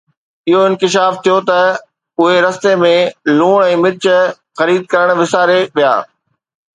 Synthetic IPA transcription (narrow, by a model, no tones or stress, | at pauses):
ɪɦoɪ̃nkɪʃaːft̪ʰijot̪ɐ | ʊɦeɾɐst̪emẽluːɽ̃ɛ̃ːmɪt͡ɕə̆ | xɐɾiːd̪̚kɐɾəɽ̃ʋɪsaːɾeʋija̰ː